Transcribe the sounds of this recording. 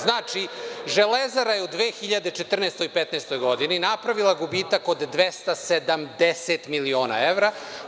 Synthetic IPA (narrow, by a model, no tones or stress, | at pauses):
znaːt͡ʃiʒelezaɾajeud̪ʋeːxiʎad̪et͡ʃet̪r̩neːst̪o̞jipet̪neːst̪o̞jɡo̞d̪ininapɾaʋilˠaɡubiːt̪akod̪ːʋest̪ased̪amd̪eset̪milio̞ːna̰eʋɾa